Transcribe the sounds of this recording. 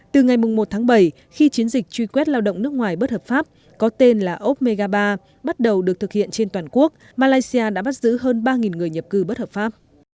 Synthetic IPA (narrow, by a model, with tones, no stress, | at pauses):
t̪ɨ˨˩ŋa˨˩jmʊ˨˩ŋ͡mmo˨˩t̚t̪ʰaː˨˦ŋɓə˧˩j | xi˧t͡ɕi˨˦ənzï˨˩k̟̚t͡ɕwi˧kwɛ˦˥t̚laː˧wɗə̰˧˨ŋ͡mnɨ˦˥ək̚ŋwaː˨˩jɓə˦˥t̚həː˨˩p̚faː˦˥p̚ | kɔ˨˦t̪e˧nlaː˨˩ʔo˦˥p̚me˧ɣaː˧ɓaː˧ | ɓa˦˥t̚ɗə˨˩wɗɨ˨˩ək̚t̪ʰɨ˨˩k̚hḭ˧˨ənt͡ɕe˧nt̪waː˨˩nku˦˥ək̚ | maː˧laː˧jsi˧aː˧ɗa̰ː˧˥ɓa˦˥t̚zɨ̰˧˥ɦəː˧nɓaː˧ŋi˨˩nŋɨ˨˩əjɲə˨˩p̚kɨ˨˧˩ɓə˦˥t̚həː˨˩pfaː˦˥p̚